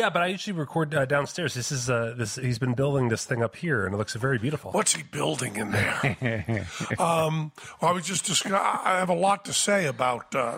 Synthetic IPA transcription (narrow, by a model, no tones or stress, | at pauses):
jæbʌɾaɪjʉʒl̩ˠiɹɨkʰɔɹdʌdãʊ̃nstɛɹzðɪsɨzʌðɪshizbɨ̃nbɪlˠdɪ̃ŋðɪsθɪ̃ŋʌphiɹɨ̃nɨtˡlʊksɨtvɛɹibjʉɾəfl̩ˠwʌtshibɪlˠdɪ̃ŋɨ̃nðə̰˞ | ʌ̃mwaɪwid͡ʒʌsd̥ɨskaaɪɨvəlɔtʰɨseɪɨbaʊt̚ʌ